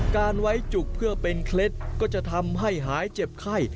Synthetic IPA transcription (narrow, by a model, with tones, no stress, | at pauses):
kaː˧nwa˦˥jt͡ɕu˨˩k̚pʰɯ˥˩ɐpe˧nkʰle˦˥t̪̚kɔː˥˩t͡ɕa˨˩ʔt̪ʰa˧mɦa˥˩jɦaː˩˦jt͡ɕe˨˩p̚kʰa˥˩j